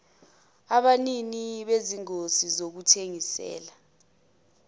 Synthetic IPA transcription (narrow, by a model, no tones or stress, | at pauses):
aɓaniniɓeziŋosizok̬utʰeŋisɛ̰ːla